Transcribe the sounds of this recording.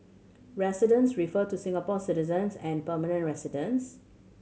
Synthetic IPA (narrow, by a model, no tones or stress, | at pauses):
ɹɛsɪdə̃nsɹifətusɪ̃ŋapɔsɪtɪzə̃nsɛ̃npəmanə̃ntɹɛsɪdə̃ns